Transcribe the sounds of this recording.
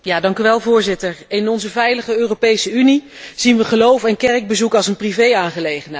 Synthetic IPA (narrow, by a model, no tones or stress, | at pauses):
jaːdɑŋkyʋɛlˠvʊːɹzɪtəɹɪnɔnzəvɛjləχəøːropejsəyni | z̥inʋəχəlowfɛnkɛrəɡ̚bəzukɑlˠsənprivejaːnχəlejχənɦɛ